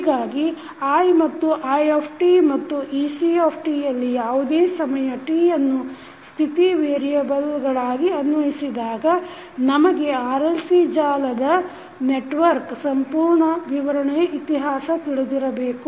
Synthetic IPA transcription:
ɡaːɡi | aːjmɐt̪ːuʔaːjoːpʰʈimɐt̪ːuʔiːsioːpʰʈijɐlːijaːʋud̪eːsɐmɐjɐʈiːjɐnːu | st̪ʰit̪iʋeːɾijɐbɐlɡɐɭaːɡiɐnʋɐɦisid̪aːɡɐ | nɐmɐɡe̞aːɾelsid͡ʒaːlɐd̪ɐ | neʈʋɐɾksɐmpuːɾɳɐʋiʋɐɾɐɳɛjɐʔit̪iɦaːsɐt̪iɭud̪iɾɐbe̞ːku

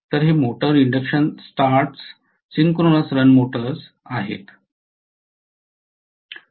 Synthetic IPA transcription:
t̪əɾɦemoʈəɾiɳɖəkɕənsʈaɾʈs | siŋkɾonəsɾənmoʈəɾs | aɦḛt̪

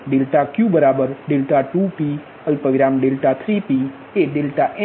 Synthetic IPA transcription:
ɖelʈakjũbəɾaːbəɾɖelʈaʈupi | əlpəʋiɾaːmɖelʈat̪ʰɾipi | eɖelʈaʔe

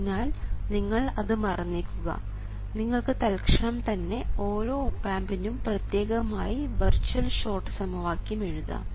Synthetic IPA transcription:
naːlniŋːɐɭɐðɨmɐrɐnːiːkʲːuɣɐ̰ | niŋːɐɭkɨt̪ɐlkʂɐɳɐmt̪ɐnːe̞o̞ːɾo̞ːpaːmbɐnːumprɐt̪je̞ːɣɐmaːjiʋɐrt͡ɕuɐlʂo̞ːrʈːɨ̥sɐmɐʋaːkʲjume̞ɻuðɐ̰

